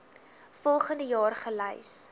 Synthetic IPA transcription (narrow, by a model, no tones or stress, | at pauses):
fɔlˠχəndəjɑːrχələjs